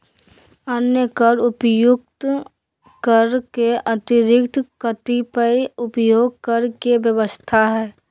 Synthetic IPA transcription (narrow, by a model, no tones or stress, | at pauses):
ənjəkəɾʊpjʊk̚t̪ | kəɾkeʔət̪ɪɾɪkt̪ʰkət̪ipəiʊpjoːɡ̚kəɾkeʋjəʋəst̪ʰaɦɛː